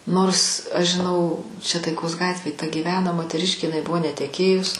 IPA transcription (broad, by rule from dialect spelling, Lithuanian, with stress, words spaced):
ˈnoːrs ɐʃ ʒʲɪˈnɐʊ t͡ʃʲɛ tɐɪˈkoːs ˈɡɑːtʲʋʲeːj tɐ ɡʲiːˈʋʲæːnoː moːtʲɛˈrʲɪʃʲkʲeː ɪˈnɐɪ ˈbʊʋoː nʲɛtʲɛˈkʲeːjʊs